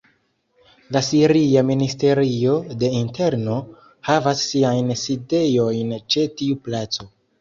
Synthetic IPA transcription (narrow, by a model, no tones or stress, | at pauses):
lasiɾiaministe̞ɾio̞de̞inte̞ɾno̞ | havasːiajnside̞jo̞jnt͡ʃe̞tiuplat͡so̞